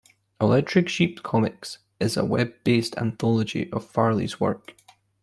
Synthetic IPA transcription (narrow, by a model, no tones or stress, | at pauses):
ɪlˠɛk̚t͡ʃʰɹ̥ɪkʃip̚kʰɔmɪks | ɪzə̰wɛb̚ːestʰã̰nθɔlˠəd͡ʒḭʔəv̥faɹlˠḭz̥wɜ̰˞k